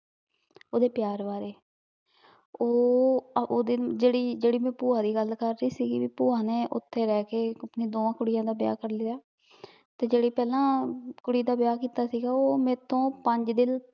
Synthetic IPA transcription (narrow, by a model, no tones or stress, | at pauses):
oːd̪eːpjaːɾʋaːɾeː | oː | oːd̪ɪd͡ʒeːɽiːd͡ʒeːɽiːmɛ̃ːpuːãːd̪iːɡəlkəɾːiːsiːɡiːʋiːpuːãːneːʔʊ̰t̪ʰːeːɾɛːkeːəpnĩːd̪oːãːkʊɽɪjãːd̪aːbɪja̰ːkəɾlɪaː | t̪eːd͡ʒeːɽiːpɛːlãːkʊɽiːd̪aːbjaːkiːt̪aːsiːɡaːoːmɛ̃ːt̪ʰõːpəɲd͡ʒd̪ɪl